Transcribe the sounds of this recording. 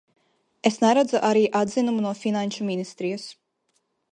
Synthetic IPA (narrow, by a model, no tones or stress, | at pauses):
esnɛɾad̪zaʔaɾiːʔad̪zinumunuɔfinanʲʃuminist̪ɾijɐs